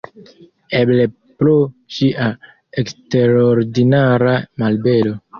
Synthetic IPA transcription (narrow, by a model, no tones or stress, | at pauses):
eble̞ | ploʃiʔa | ekste̞ɾoɾdinaɾamalbe̞lo̞